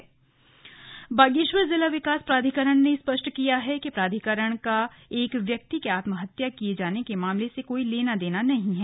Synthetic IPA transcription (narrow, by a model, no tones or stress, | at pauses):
baːɡiːʃʋəɾzɪlaʋɪkaːspɾaːd̪ʱikəɾəɽ̃nespɐʃʈkijaɦɛkipɾaːd̪ʱikəɾəɽ̃kaeːkʋjɐk̚t̪ikeaːt̪məɦɐt̪jakijed͡ʒaːnekemaːmlesekoːileːnad̪eːnanɐɦĩɦɛː